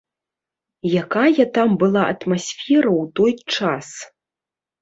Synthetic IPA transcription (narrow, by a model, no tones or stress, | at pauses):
jakajɐt̪ambɨlˠaʔɐ̰t̪masʲfʲɛɾɐwt̪ojt͡ʂas